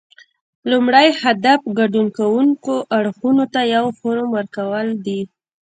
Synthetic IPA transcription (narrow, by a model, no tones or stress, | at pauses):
lumɽajhad̪afɡaɖunkawuŋkoʔaɽxunot̪ajawxoɾoməɾkawəld̪i